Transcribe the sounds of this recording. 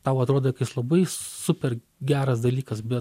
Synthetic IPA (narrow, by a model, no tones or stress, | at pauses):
t̪ɑʊɐt̪ɾuɔd̪ojkɪslˠɐbɐɪsʊpʲɛr | ɡʲæːɾɐsd̪ɐlʲiːkɐsbʲɛt